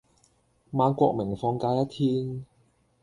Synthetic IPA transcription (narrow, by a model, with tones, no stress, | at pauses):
maː˨˧nkʷɔː˧k̚mɪ˨˩ŋfɔː˧ŋkaː˧jɐ˥t̪ʰiː˦˥n